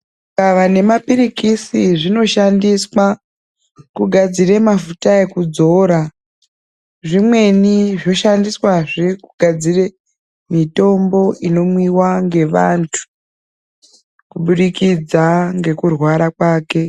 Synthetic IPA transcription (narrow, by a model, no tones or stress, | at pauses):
kaʋane̞mapirikisiʐino̞ʃandiswa | kuɡʱad͡zire̞mafutae̞kud͡zo̞ɾa | ʐimwe̞niʐo̞ʃandiswaʐekuɡʱad͡zire̞ | mito̞mbo̞ino̞mwiwaŋɡe̞ʋantʰu̥ | kuɓuɗikid͡zaŋɡe̞kurwaɾakwaːke̞